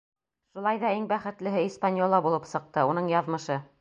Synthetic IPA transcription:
ʃulˠɑjðɑiŋbæχɘ̆t̪lɘ̆ɦɘispanʲjolˠːɑbulˠɤpsɤ̆q̚t̪ɤunɤɴjɑðmɤ̆ʃɤ

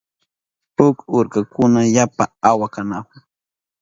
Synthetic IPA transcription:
pʊkʊɾkakʊnajapaawakanakʊ

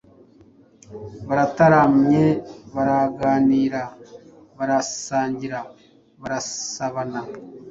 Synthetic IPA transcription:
βaɾataɾamɲeβaɾaɡaːniːɾa | βaɾasaːɲɟiɾa | βaɾasaβana

